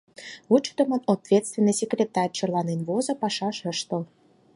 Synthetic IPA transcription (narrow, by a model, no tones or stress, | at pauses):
ut͡ɕt̪ə̆mə̆not̪vʲet̪t͡st̪vʲenːəjsʲekrʲet̪ɑrʲt͡ɕɤ̆rlˠɑnenβozɤ̆pɑʃɑʃə̆ʃt̪ə̆l